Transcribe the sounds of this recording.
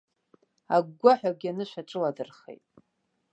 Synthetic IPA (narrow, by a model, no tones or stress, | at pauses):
aɡːʷaħʷᶣaɡʲanɨʃʷᶣaʈ͡ʂʼɨladɨrχḛjtʼ